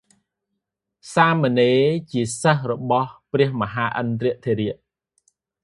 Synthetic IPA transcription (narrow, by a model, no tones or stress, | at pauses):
saːməneːt͡ɕiəsəhrɔɓɑhprɛ̆əhməɦaːʔənt̪riəʔt̪ʰeːɾiəʔ